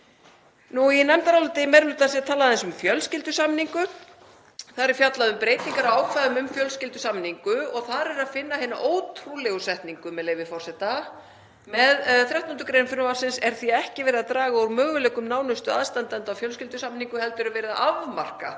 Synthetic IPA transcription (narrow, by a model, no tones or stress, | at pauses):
nuinɛmt̪aɾawlʏt̪ɪmɛɾmʏt̪ʰas̬jɛt̪ʰaːlaðɛnsʏmfjœlscɪlt̪ʏsamniŋkʏ | θaðɾɛɾ̥fjat̪laðʏmpɾeːjt̪iŋkaɾawaːwkʰvaðʏmʏmfjœlscɪlt̪ʏsamniŋkʏɔɣθaɾɛɾaðfɪnːaɦeːna̰ʔoːwt̪ʰɾulɛɣʏsɛht̪niŋkʏmɛðleːjvɪfɔr̥sɛht̪a | mɛðθɾjawht̪ɔnt̪ʏkɾejnfʏɾnʏvarsɪnsɛɾ̥θiɛhcɪvɛːɾɪðat̪ɾaːɣaowɾmœːɣʏlɛːkʏmnaːwnʏst̪ʏaðst̪ant̪ant̪awfjœlscɪlt̪ʏsamniŋkʏhɛlt̪ʏɾʏvɛːɾɪða̰ʔavmar̥ka̰